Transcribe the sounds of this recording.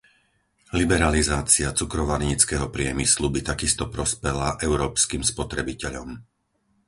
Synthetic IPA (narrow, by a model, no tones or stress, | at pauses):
libɛɾalizaːt͡siat͡sukɾɔʋaɾɲit͡skɛɦɔpɾɪɛmislubit̪akist̪ɔpɾɔspɛlaʔɛʊɾɔːpskiːmspɔt̪ɾɛbicɛʎɔm